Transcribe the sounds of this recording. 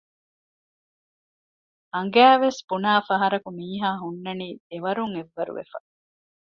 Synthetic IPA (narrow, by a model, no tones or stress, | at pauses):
ɐŋɡæːʋesbunaːfɐɦɐɾɐkumiːɦaːɦunːɐniːeʋɐɾuŋeʋːɐɾṵʋḛfɐ̰